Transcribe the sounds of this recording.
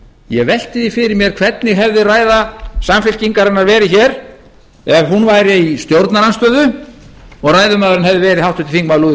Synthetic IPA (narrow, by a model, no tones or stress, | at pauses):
jɛvɛl̥t̪ɪðifɪɾɪɾmjɛɾ̥kʰv̥ɛt̪nɪɦɛvðɪraːjðasamfɪlciŋkaɾɪnːaɾvɛːɾɪçɛɾ̥ | ɛvɦunvaːjɾɛist̪jowɾt̪naɾanst̪œːðʏ | ɔɣraːjðʏmaːðʏɾɪnhɛvðɪvɛːɾɪðhawht̪ʏt̪ɪ̥θiŋkmaluːðɪ